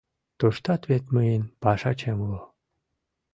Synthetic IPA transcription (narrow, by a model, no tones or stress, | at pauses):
t̪oʃt̪ɑt̪βet̪məjenpɑʃɑt͡ɕemlo